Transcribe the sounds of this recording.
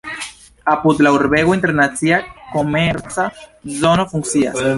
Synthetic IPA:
apud̪lauɾbe̞ɡointe̞ɾnat͡siako̞me̞ɾt͡sazo̞no̞fuŋkt͡sia̰s

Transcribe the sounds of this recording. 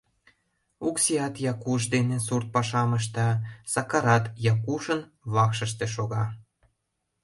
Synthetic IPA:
uksiɑt̪jɑkuʃ̬d̪enesurt̪̚pɑʃɑməʃ̬t̪ɑsɑkɑɾɑt̪jɑkuʃənβɑkʃə̆ʃt̪eʃoɣɑ

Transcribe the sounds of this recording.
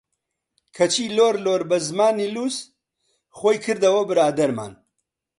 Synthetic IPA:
kʰɐt͡ʃʰiːloːɾloːɾbɐzmaːniːluːs | χoːjkʰɨɾd̪ɐwɐbɨɾaːd̪ɐɾma̰ːn

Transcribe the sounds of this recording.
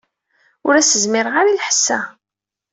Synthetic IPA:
ʊɾæsəzmɪɾʁaɾilħə̥sːæ

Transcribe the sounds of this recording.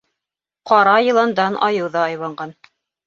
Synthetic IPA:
qɑɾɑjɤ̆lˠɑnd̪ɑnʔɑ̰jɤ̆wðɑɑjβɑɴɢɑn

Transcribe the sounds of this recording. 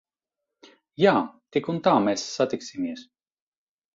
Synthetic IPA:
jaːt̪ikunt̪aːmɛsːat̪iksʲimiɛs

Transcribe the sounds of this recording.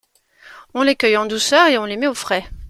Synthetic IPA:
ɔ̃lekœjɑ̃d̪usœʁeɔ̃lemɛofχɛ

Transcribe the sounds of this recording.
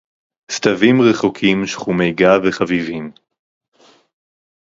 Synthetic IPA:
st̪avimʁeχokʰimʃχume̞jɡaveχavivim

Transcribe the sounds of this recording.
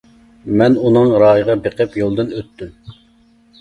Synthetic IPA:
mɛnunɨŋɾɑːjəʁɑbeqʰɨpjolˠd̪ɨnøt̪ʰːym

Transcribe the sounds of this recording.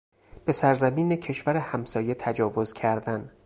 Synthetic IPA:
b̥e̞sæɾzæmiːnecʰe̞ʃvæɾehæmsɒːje̞t̪ʰæd͡ʒɒːvo̞z̥cʰæɾd̪æn

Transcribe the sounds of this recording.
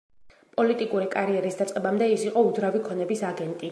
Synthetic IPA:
pʼɔlit̪ʼikʼuɾikʼaɾiɛɾisd̪at̪sʼqʼɛbamd̪ɛisiqʼɔud̪zɾavikʰɔnɛbisaɡɛnt̪ʼi

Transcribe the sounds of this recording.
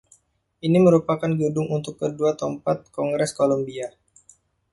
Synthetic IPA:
ʔiniməɾupakanɡədʊŋunt̪ʊkːəduat̪ɔmpat̪̚kɔŋɡɾɛskolombia

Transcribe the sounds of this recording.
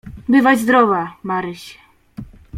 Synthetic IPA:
bɘvad͡ʑzd̪ɾɔvamaɾɘɕɛ

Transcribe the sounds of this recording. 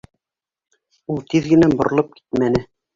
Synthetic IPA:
ulˠt̪iðɡɘ̆næbŏɾɤ̆lˠɤp̚ki̥t̪mænɘ

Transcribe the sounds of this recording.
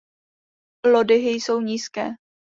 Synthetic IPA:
lodɪɦɪjso̞wɲiːskɛː

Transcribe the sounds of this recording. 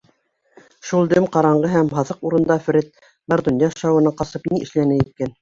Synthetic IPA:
ʃulˠd̪ɵmqɑɾɑɴɢɤɦæmɦɑðɤquɾɤ̆nd̪ɑf̆ɾɘt̪̚ | bɑɾd̪ŭnjɑʃɑwɤ̆nɤqɑsɤpniʔɘ̆ʃlænæit̪̚kæn

